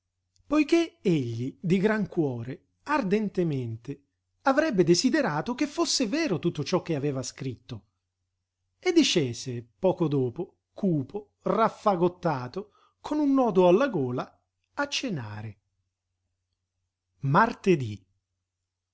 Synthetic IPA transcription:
pojkeeʎːid̪iɡɾaŋkwɔːɾe | ard̪ɛnt̪ement̪ɪ | avɾɛbːed̪ezid̪eɾaːt̪ok̟efːosːevɛːɾot̪ut̪ːot͡ʃɔkːeavɛːvaskɾit̪ːo | ed̪ːit͡ʃeːzepɔːkod̪oːpo | kuːpo | rafːaɡot̪ːaːt̪o | kʰonunːɔːd̪oalːaɡoːla | at͡ʃːena̰ːɾe | mart̪ed̪i

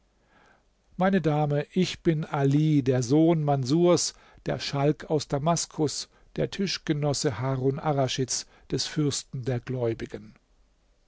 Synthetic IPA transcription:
maɪnədaːməʔɪçb̥ɪnʔaliːdeːɐzoːnmanzuːɐs | d̥eːɐʃalkʰaʊsd̥amaskʰʊs | d̥eːɐtʰɪʃɡ̥ənɔsəhaːʁonʔaʁaʃɪt͡s | d̥ɛsfʏɐstn̩deːɐɡlɔʏbɪɡən

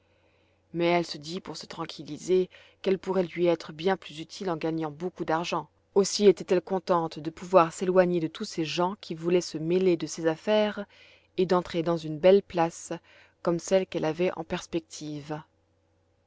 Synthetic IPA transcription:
mɛɛlsəd̪ipuʁsə̥t̪χɑ̃kʲʰilize | kɛlpuʁɛlɥiɛt̪χəbjɛ̃plyzyt̪ʰilɑ̃ɡaɲɑ̃bokud̪aʁʒɑ̃ | osiet̪ɛt̪ɛlkɔ̃t̪ɑ̃t̪d̪əpuvwaʁselwaɲed̪ət̪useʒɑ̃kʲʰivulɛsəmeled̪əsezafɛʁ | ed̪ɑ̃t̪χed̪ɑ̃zynbɛlplas | kɔmsɛlkɛlavɛʔɑ̰̃pɛʁspɛk̚t̪ʰiv

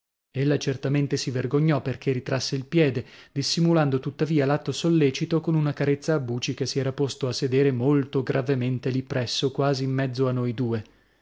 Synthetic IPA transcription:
elːat͡ʃert̪ament̪esiverɡoɲːɔperk̟erit̪ɾasːeilpjɛːd̪ed̪isːimuland̪ot̪ut̪ːaviːalat̪ːosolːɛːt͡ʃit̪okonunakaɾet̪saːbːuːt͡ʃik̟esːiɛːɾapost̪oasːed̪eːɾemolt̪oɡɾʔavement̪elipːɾɛsːokwaːziːmːɛd̪zːoanːojd̪uːe

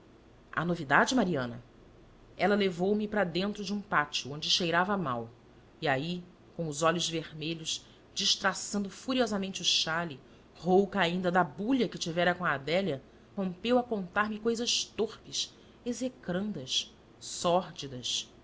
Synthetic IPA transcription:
ɐ̰novid̪ad͡ʒɪmaɾiɐ̃nɐ̰ | ɛlɐlevowmɪpɾɐd̪ẽnt̪ɾʊd͡ʒɪũpat͡ʃuõnd͡ʒɪʃejɾavɐma̰w | iai | kõʊzɔʎʊzveɾmeʎʊʃ | d͡ʒiʃt̪ɾasɐ̃nd̪ʊfuɾiɔzɐmẽnt͡ʃɪuʃali | howkɐaĩnd̪ɐd̪ɐbuʎɐkɪt͡ʃivɛɾɐkõɐːd̪ɛljɐ | hõmpewɐkõnt̪aɾmɪkojzɐʃt̪oχpɪs | ezekɾɐ̃nd̪ɐs | sɔɾd͡ʒid̪ɐs

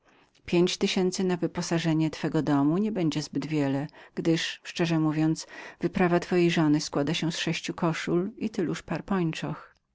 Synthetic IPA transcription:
pʲjeɲt͡ɕt̪ɘɕɛnt̪sɘnavɘpɔsaʐɛɲɛt̪fɛɡɔd̪ɔmuɲɛbɛɲd͡ʑɛzbɘd̪vʲjɛlɛɡ̥d̪ɘʂʂt͡ʂɛʐɛmuvʲjɔnt̪svɘpɾavat̪fɔjejʐɔnɘskwad̪aɕɛsʂɛɕt͡ɕukɔʂulit̪ɘluʂpaɾpɔɲt͡ʂɔx

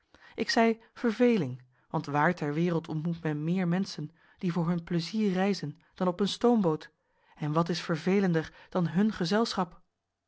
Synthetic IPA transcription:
ʔɪksɛj | v̥əɹvejlɪŋ | ʋɑntʋaːɹtɛɹʋɪːrəlˠtʰɔntmutmɛnmɪːɹmɛnsən | d̥ivʊːɹɦɵnpləziːɹɛjzən | d̥ɑnɔpənstowmbowt | ɛnʋɑtɪsfəɹvejləndəɹd̥ɑnɦɵnχəzɛlˠsχɑp

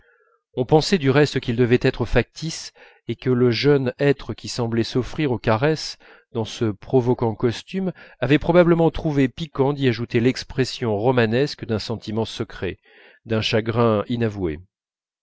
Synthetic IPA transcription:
ɔ̃pɑ̃sɛd̪yʁɛst̪əkʲild̪əvɛt̪ɛt̪χəfak̚t̪is | ekələʒœnɛt̪χəkʲisɑ̃blɛsɔfχiʁokaʁɛs | d̪ɑ̃səpχɔvɔkɑ̃kɔst̪ymavɛpχɔbabləmɑ̃t̪χuvepikɑ̃d̪iaʒut̪elɛkspχɛsjɔ̃ʁɔmanɛskəd̪ɛ̃sɑ̃t̪ʰimɑ̃səkχɛ | d̪ɛ̃ʃaɡʁɛ̃inavuḛ

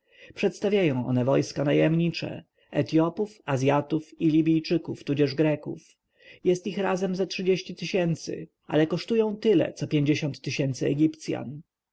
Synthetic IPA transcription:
pʂɛt̪st̪avʲjajɔ̃w̃ʔɔ̰nɛvɔjskanajɛmɲit͡ʂɛ̰ | ɛt̪jɔpufazʲjat̪ufilʲibʲijt͡ʂɘkuft̪ud͡ʑɛʐɡɾɛkṵf | jɛst̪ixɾazɛmzatʂɘd͡ʑeɕt͡ɕit̪ɘɕɛnt̪sɘ̰ | ʔa̰lɛkɔʂt̪ujɔ̃w̃t̪ɘlɛ̰t̪sɔpʲjeɲd͡ʑeɕɔnt̪ːɘɕɛnt̪sɘɛɡʲipt̪sʲja̰n

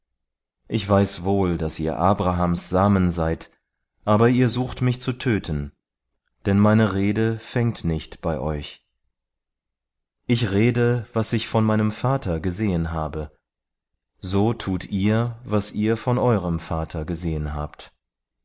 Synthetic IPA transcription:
ʔɪçv̥aɪsvoːldasʔiːɐʔaːbʁaɦaːmsz̥aːmənzaɪt | ʔaːbɐiːɐzuːxtmɪçt͡sutʰøːtʰən | d̥ɛnmaɪnəʁeːdəfɛŋtnɪçtb̥aɪʔɔʏç | ʔɪçʁeːdəvasɪçfɔnmaɪnəmfaːtʰɐɡəzeːənɦaːbə | zoːtʰuːtʰʔiːɐvasʔiːɐfɔnʔɔʏʁəmfaːtʰɐɡəzeːənɦa̰ːpt

